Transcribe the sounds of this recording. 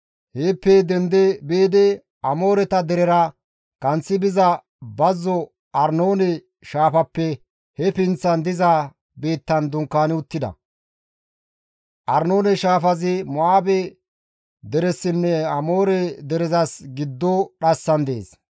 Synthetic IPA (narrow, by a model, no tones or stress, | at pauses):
heːpːed̪ɛnd̪ebeːd̪ɛ | ɐmo̞ːɾɛt̪ɐd̪ɛɾɛɾɐ | kɐnt͡sːɪbɪzɐ | bɐzːɔ | ʔɐɾno̞ːnɛ | ʃaːfɐpːɛ | hɛpɪnt͡sːɐnd̪ɪzɐ | beːt̪ːɐnd̪ʊŋkːaːnɪʊt̪ːɪd̪ɐ̰ | ʔɐɾnoːnɛʃaːfɐzɪmɔaːbɛ | d̪ɛɾɛsːɪnːɛɐmo̞ːɾɛd̪ɛɾɪzɐsɡɪd̪ːɔɗɐsːɐnd̪ḛːs